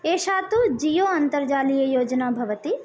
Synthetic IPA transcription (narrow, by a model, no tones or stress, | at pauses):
eːʃaːt̪ud͡ʒijoːɐnt̪ɐɾd͡ʒaːlijɐjoːd͡ʒɐnaːbʱɐʋɐt̪i